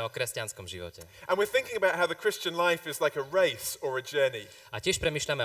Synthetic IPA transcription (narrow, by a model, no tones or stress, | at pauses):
ɛɔkɾɛscanskɔmʒiʋɔ̰cɛʔə̃nwɪəθɪ̃ŋkɪ̃ŋəbaʊʔ̚ɦaʊðəkʰɹ̥ɪst͡ʃə̃nlaɪfɪzlaɪkəɹeɪsəɹəd͡ʒɜːni | acɪɛʃpɾɛmiːʃʎamɛ